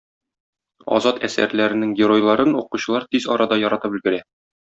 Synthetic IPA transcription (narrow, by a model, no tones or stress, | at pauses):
ɒ̰zɑt̪ʰæsæ̰ɾlæɾɘ̆nɘŋɡʲɪɾo̞jlˠɑɾɤnuquɕɤ̆lˠɑɾt̪izɒɾɑd̪ɑjɒɾɑt̪ɤpbɘ̆lɡɘ̆ɾæ